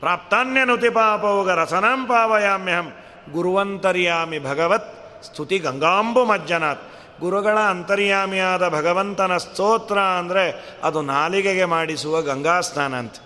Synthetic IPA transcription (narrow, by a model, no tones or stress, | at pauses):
pɾaːp̚t̪aːnjɐnut̪ipaːpɐʋuɡɐɾɐsʰɐnaːmpaːʋɐjaːmjɐɦɐm | ɡuɾuʋɐnt̪ɐɾjaːmibʱɐɡɐʋɐt̪̚ | st̪ʰut̪iɡɐŋɡaːmbumɐd͡ʒːɐnaːt̪̚ | ɡuɾuɡɐɭɐːnt̪ɐɾjaːmijaːd̪ɐbʱɐɡɐʋɐnt̪ɐnɐst̪oːt̪ɾaːɐnd̪ɐɾe | ɐ̰d̪unaːlikeɡemaːɽisuʋɐɡɐŋɡaːst̪ʰaːna̰ːnt̪